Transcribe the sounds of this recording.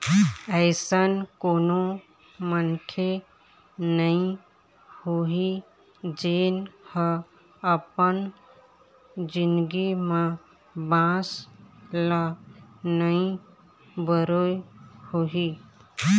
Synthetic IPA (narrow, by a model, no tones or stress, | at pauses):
əɪsənkoːno | mənkʰe | nəĩ | hoɦi | d͡ʒeːnhə | əpən | d͡ʒɪnɡimã | bãslanəĩ | bəɾohoɦi